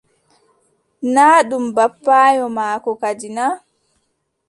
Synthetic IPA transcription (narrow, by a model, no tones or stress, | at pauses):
naːɗumbapːaːjɔmaːkɔkad͡ʒina